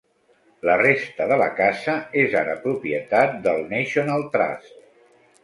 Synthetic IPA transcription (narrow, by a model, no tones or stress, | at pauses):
lərest̪əðələ̰kazəeza̰ɾəpɾupiət̪at̪̚d̪əlˠnɛʃonalˠt̪ɾa̰sk